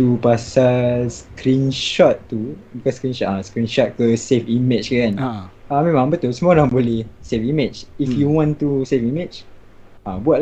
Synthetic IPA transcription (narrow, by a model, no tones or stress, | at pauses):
tupasaskɾinʃɔt̪ːubikɔskɾinʃɔtaskɾinʃɔt̪̚kəsefimɛt͡ʃkəɡãnamɛ̃mãŋbət̪ulsəmɔdãŋbolehsefimɛt͡ʃifjuwɔ̃nt̪usefimɛt͡ʃ | ãbuaʔ̚